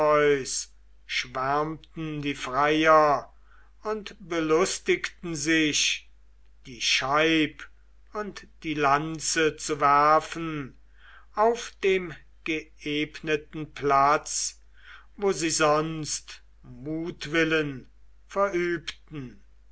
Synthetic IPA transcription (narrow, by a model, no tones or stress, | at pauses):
ɔʏs | ʃv̥æɐmtn̩diːfʁaɪɐ | ʊntbəlʊstɪktn̩zɪʃ | d̥iːʃaɪp | ʊntd̥iːlant͡sət͡suvæɐfn̩ | aʊfd̥eːm | ɡ̥əeːpnətn̩plat͡s | voːziːzɔnst | muːtv̥ɪlən | fɛɐʔyːptn̩